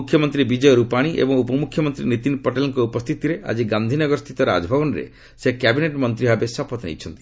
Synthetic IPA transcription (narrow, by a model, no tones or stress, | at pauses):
ukʰjɔmɔnt̪ɾibid͡ʒɔjɔɾupaɽ̃iʔḛbɔŋupɔmukʰjɔmɔnt̪ɾinit̪inpɔʈelɔŋkɔupɔst̪ʰit̪iɾeʔa̰d͡ʒiɡand̪ʱinɔɡɔɾɔst̪ʰit̪ɔɾa̰d͡ʒɔbʱɔbɔnɾḛ | sekɛbineʈmɔnt̪ɾibʱabesɔpɔt̪nḛjt͡ʃʰɔnt̪i̥